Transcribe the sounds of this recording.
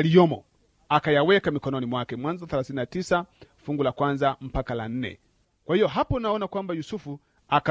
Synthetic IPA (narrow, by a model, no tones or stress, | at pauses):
liɔmɔ̰ | akajawɛkamikɔnɔnimwakɛmwanzɔθɛlaθininatisafuŋɡulakwanzam̩pakala̰n̩nɛ̰ | kwahijɔɦapɔnaɔnakwambajusufu | aka